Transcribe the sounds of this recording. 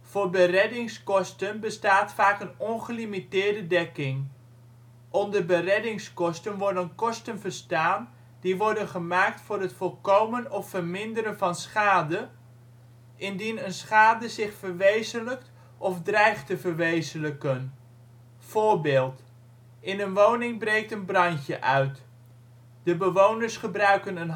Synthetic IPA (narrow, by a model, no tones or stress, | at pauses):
v̥ʊːɹbərɛdɪŋskɔstənbəstaːtfaːkənɔnχəlimitɪːɹdədɛkɪŋ | ʔɔndərbərɛdɪŋskɔstənʋɔɹdənkɔstənvəɹstaːn | diʋɔɹdənχəmaːk̚tfʊːɾɦətfɔlˠkowmənɔfərmɪndəɾənvɑnsχaːdə | ʔɪndinənsχaːdəzɪχfəɹʋejzənlək̚t | ʔɔfdrɛjχtəvəɹʋejzənləkən | v̥oːɹbɪːlˠt | ʔɪnənʋownɪŋbrejk̚tənbrɑncəʔœɥt | d̥əbəʋownəɹsχəbrœɥkənən